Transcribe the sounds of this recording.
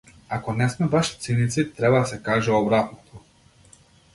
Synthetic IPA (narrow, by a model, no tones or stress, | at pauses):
akɔnɛsmɛbaʃt̪sinit̪sit̪ɾɛbad̪asɛkaʒɛɔbɾat̪̚nɔt̪ʰɔ